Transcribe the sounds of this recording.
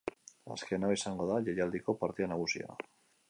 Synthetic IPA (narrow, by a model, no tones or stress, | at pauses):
a̰skenaβisaŋɡoðaʎejald̪ikopaɾt̪ianaɣusḭa̰